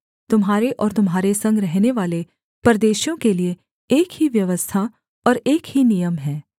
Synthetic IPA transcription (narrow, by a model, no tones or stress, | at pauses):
t̪ʊmɦaːɾeʔɔːɾt̪ʊmɦaːɾesɐ̃ŋɡɾɛɦneʋaːle | pɐɾd̪eːʃjõkelie | eːkɦiʋjɐʋəst̪ʰa | ɔːɾeːkhinijəmɦɛː